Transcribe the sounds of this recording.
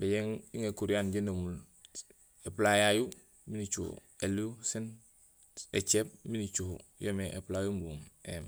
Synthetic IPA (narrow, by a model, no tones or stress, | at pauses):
beɟeŋiŋekuɾiaːnɟenomul | eplajaju | minit͡ʃṵː | eluusin | et͡ʃeb̚minit͡ʃuho̰jomeʔḛplajumbuːmem